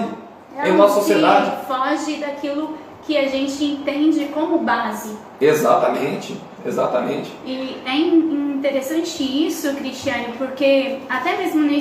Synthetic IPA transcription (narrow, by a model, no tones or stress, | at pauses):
ʊ | ɛẽsosied̪ad͡ʒɪfɔʒɪd̪akilʊ | kɪaʒẽnt͡ʃɪẽnt̪ẽd͡ʒɪkõmʊbazɪ | ezat̪ɐmẽt͡ʃɪ | eza̰t̪ɐmẽt͡ʃɪ̥ɪɛ̃ĩt̪eɾesɐ̃t͡ʃɪisʊkɾist͡ʃiɐ̃nʊpoɾkeat̪ɛmezmʊne